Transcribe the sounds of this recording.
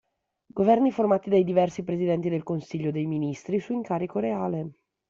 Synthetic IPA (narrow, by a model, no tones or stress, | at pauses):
ɡovɛrniformaːt̪id̪ajd̪ivɛrsipɾezid̪ɛnt̪id̪elkonsiʎːod̪ejminist̪ɾisuiŋkaːɾikoɾeaːle